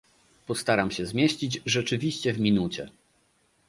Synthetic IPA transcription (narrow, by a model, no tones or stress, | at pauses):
pɔst̪aɾamɕɛzmʲjeɕt͡ɕid͡ʑʐɛt͡ʂɘvʲiɕt͡ɕɛvmʲinut͡ɕɛ̰